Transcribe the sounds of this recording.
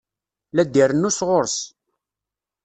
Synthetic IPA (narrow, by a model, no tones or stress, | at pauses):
læd̪ːiɾənːusʁoɾs